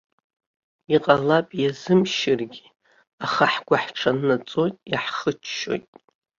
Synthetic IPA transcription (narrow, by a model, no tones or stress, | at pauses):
iqʼalapʼjazɨmʃɪrɡʲi̥ | aχaħɡʷaħʈ͡ʂʰanːat͡sʼo̞jtʼjaħχət͡ʃʰʃo̞̰jtʼ